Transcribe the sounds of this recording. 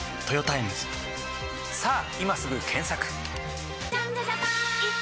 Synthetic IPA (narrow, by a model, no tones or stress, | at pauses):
t̪ojot̪aimzɨ̥ | saː | imasɨɡɯ̟kʰẽ̞ɰ̃sakɯ̟̥